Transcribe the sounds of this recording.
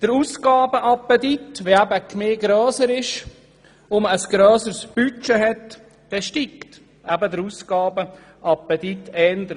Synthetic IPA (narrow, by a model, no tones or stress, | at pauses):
d̥əɾuːsɡ̥ɑːbəʔɑpətitʋeæbəkmeːɡɾɔːsəɾɪʃ | ʊməsɡ̥ɾœːsəsb̥yt͡ʃɛɦɛt | d̥ɛʃtikt | ʔæbədəɾuːskɑːbə | ʔɑpət̪itɛndə